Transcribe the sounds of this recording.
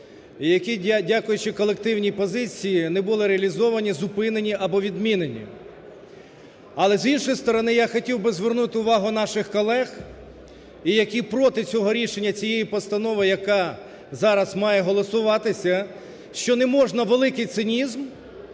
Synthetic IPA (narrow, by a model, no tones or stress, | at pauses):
ijɐkʲidʲakʊjʊt͡ʃɪkɔlˠek̚t̪ɪwnʲipɔzɪt͡sʲijinɛbʊlˠɪɾeɐlʲizɔʋɐnʲizʊpɪnenʲiʔɐbɔʋʲid̪mʲinenʲḭ | ɐlˠɛzinʃɔjst̪ɔɾɔnɪjaxɔtʲiwbɪzʋernut̪ɪʊʋɑɦʊn̪ɑʃɪxkɔlˠɛx | ijɐkʲipɾɔt̪ɪt͡sʲɔɦɔɾʲiʃenʲːɐt͡sʲijejipɔst̪ɐnɔʋɪjɐkɑ | zɑɾɐzmɑjɛɦɔlˠɔsʊʋɑt̪ɪsʲɐ | ʃt͡ʃɔnɛmɔʒnɐʋelˠɪkɪjt̪sɪnʲizm